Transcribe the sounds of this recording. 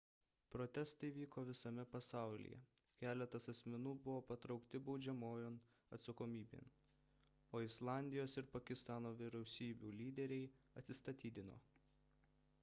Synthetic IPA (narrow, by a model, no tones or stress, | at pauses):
pɾot̪ʲɛst̪ɐɪʋʲiːkoːʋʲɪsɐmʲɛpɐsɑˑʊlʲɪ̰jɛ̰kʲæːlʲɛt̪ɐsɐsʲmʲɛnuːbʊʋoːpɐt̪ɾɒʊkt̪ʲɪbɒʊd͡ʒʲɛmoːjon | ɐ̰t̪sɐkoːmʲiːbʲḛːn | oːɪslˠɑːˑnʲd̪ʲɪjoːsɪɾpɐkʲɪst̪ɑːnoːʋʲɪɾʲɛʊsʲiːbʲuːlʲiːd̪ʲɛɾʲɛɪ | ɐt̪ʲsʲɪst̪ɐt̪ʲiːd̪ʲɪno̰ː